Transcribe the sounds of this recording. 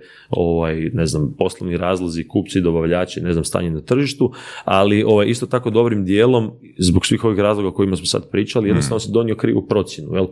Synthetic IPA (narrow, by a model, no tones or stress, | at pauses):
o̞ʋajne̞znampo̞slˠoʋniɾaːzlˠazikuːpt̪sid̪o̞baʋʎaːt͡ʃene̞znamst̪a̰ːɲenat̪r̩ʒiʃt̪ualiʔo̞ʋajist̪ot̪ako̞d̪o̞bɾimd̪jeːlˠo̞m | zboksʋiːxo̞ʋixɾaːzlˠo̞ɡaoko̞jimasmosa̰d̪pɾiːt͡ʃalijed̪nost̪aʋnosd̪o̞nio̞kɾiːʋṵpɾo̞t̪sjenujel